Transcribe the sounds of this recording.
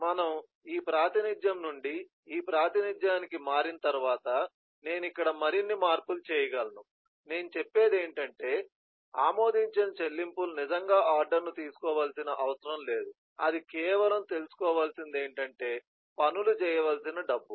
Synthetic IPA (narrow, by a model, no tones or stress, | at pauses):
mɐnɐm | iːpɾaːt̪inid͡ʒ̪jɐmnuɳɖi | iːpɾaːt̪inid͡ʒ̪jaːnikimaːɾinɐt̪ɐɾuʋaːt̪ɐ | ne̞ːnuikːɐɽɐmɐɾinːimaːɾpulut͡ʃɛːjɐɡɐlɐnu | ne̞ːnut͡ʃepːe̞ːd̪eːɳʈɐɳʈe̞ː | aːmo̞ːd̪iɲt͡ʃɐnɐt͡ʃe̞lːimpulunid͡ʒɐŋɡaːʔaːɾɖɐɾnut̪iːsu̥kɔːʋaːlsinɐʔɐʋɐsɐɾɐmle̞ːd̪u | ɐd̪ikɛːʋɐlɐmt̪e̞lusu̥kɔːʋaːlsind̪e̞ːɳʈɐɳʈe̞ː | pɐnulut͡ʃɛːjɐʋaːlsinɐɖɐbːu